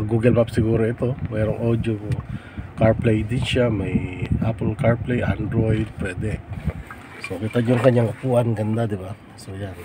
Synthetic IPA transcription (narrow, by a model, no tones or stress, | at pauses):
ɐɡuːɡɐlmapsɪɡuːɾoɪt̪o̞mɛːɾoŋʔoːd̪joŋ | kaɹplɛjd̪ɪnʃamɐjʔapɛlkaɹplɛjʔand̪ɾojd̪̚pɹɛːd̪ɛk | sokɪt̪aɲoŋkɐɲːaŋɐpuːʔanɡɐnd̪ad̪ɪba | sojan